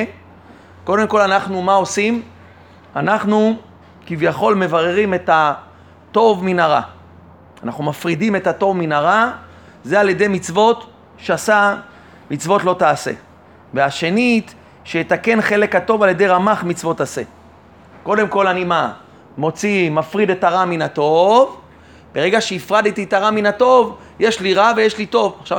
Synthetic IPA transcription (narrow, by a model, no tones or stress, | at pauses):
ko̞de̞mko̞lanaχnumao̞sim | anaχnu | kivjaχo̞lme̞vaʁeʁime̞ta | to̞vminaʁa̰ | anaχnumafʁidime̞tato̞vminaʁa | zealje̞d̪e̞jmit͡svo̞t̪ | ʃeasa | mit͡svo̞tlo̞taːse̞̰ | veaʃe̞nit̪ | ʃejet̪ake̞nχe̞le̞kato̞valje̞de̞jʁamaχmit͡svo̞t̪ase̞̰ | ko̞de̞mko̞lanima | mo̞t͡simafʁid̪e̞taʁaminat̪o̞v | b̥e̞ʁe̞ɡaʃeifʁad̪et̪itaʁaminato̞v | je̞ʃliʁave̞jeʃlito̞vaχʃav